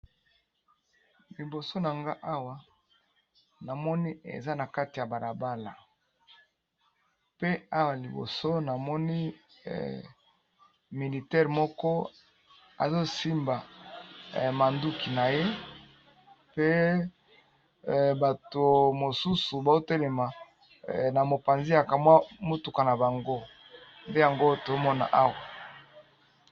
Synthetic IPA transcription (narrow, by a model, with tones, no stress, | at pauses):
li˨bo˨so˦na˨ŋɡa˦ʔa˦wa˨ | na˨mɔ˦ni˦ḛ˨za˦na˨ka˦ti˨ja˨ba˨la˨ba˦la˨ | pe˦a˦wa˨li˨bo̰˨so˦na˨mɔ˦nḭ˦ | mi˨li˨tɛ˦ʁmɔ˦kɔ˦ | a̰˨zo˦si˦mba˨ | ma˨ndu˦ki˨na˨je˦ | pe˦ | ba˨to˨mo˨su˦su˨ba˨zo˦te˦le˨ma˨ | na˨mo˨pa˨nzi˦ja˨ka˨mwa˦mo˦tu˨ka˨na˨ba˨ŋɡo˦ | nde˦ja˨ŋɡo˦to˨zo˦mɔ˦na̰˨ʔa˦wa˨